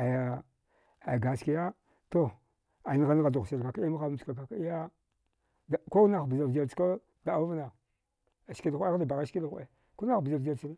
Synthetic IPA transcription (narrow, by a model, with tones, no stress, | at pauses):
a˨ja˨ | a˨ɡa˨ski˦ja˦ | to˦ | a˨n˦ɣa˦n˦ɣa˨du˨ɣsi˨ɾka˨ka˦i˦a˦a˦˨ka˨a˨ki˦ja˦ | dko˦na˨xbi˨za˨vd͡ʒa˨t͡ʃka˦ | ɡa˨a˨˦u˦vna˨ | ski˦la˨xʷe˦a˦da˨ba˨ɣa˦ʃki˦la˨xʷe˦ | ko˦na˦˨bi˨za˨vd͡ʒa˨˦i˦n˦